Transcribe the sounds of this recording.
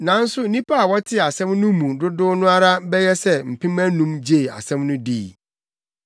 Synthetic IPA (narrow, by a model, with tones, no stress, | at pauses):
nã˨˦n̩˦sʊ˦nĩ˦pʰa˦a˨wɔ˦tʰɪ˦˨a˨sɛ̃˦mnʊ̃˦mũ˨dʊ˦dʊ˦nʊ̃˦a˦ɾa˦bɛ˦jɛ˦sɛ˦m̩˨pʰĩ˦mæ˦nũ˦md͡ʑe˦˨a̰˨sɛ̃˦mnʊ̃˦diː˦˨